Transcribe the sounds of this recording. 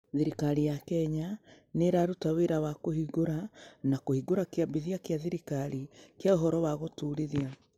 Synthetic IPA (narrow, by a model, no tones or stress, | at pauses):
ðeɾikaɾijakɛɲa | neɾaɾutaweɾawakohiɣoɾanakohiɡoɾakeabiðiakjaðiɾikaɾikjaoɦɔɾɔwaɣotuɾiðia